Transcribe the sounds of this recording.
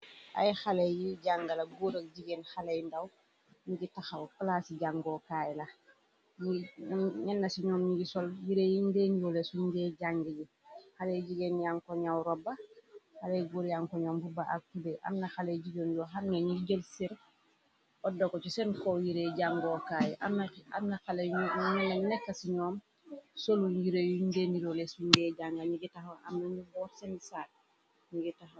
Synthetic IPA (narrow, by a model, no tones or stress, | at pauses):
ʔa̰jxalejjiɟaŋɡalaɡuːɾək̚ɟiɡeːnxalejndaw | ɲiɡitaxawklaːsiɟaŋɡɔkajla | ɲiɲɛnːasiɲɔːmɲiɡisɔljiɾejindenjolesuɲɡɛɟaŋɡiɟi | xalejɟiɡenjaŋkɔɲawɾɔbaxaleɡuɾjaŋkɔɲɔːmbubaʔa̰ktubeʔa̰mnaxaleɟiɡonjoɦamnaɲiɟəlsiɾ | odokot͡ʃisɛnkojiɾeɟaŋɡoːkaːjʔamna̰mnaxaleɲunanɛkːasiɲoːm | soluɲjiɾejudeniɾolesuɲɡeɟaŋɡaɲiɡitahoa̰mnaɲubɔːtsɛnsat̚ | ɲiɡitah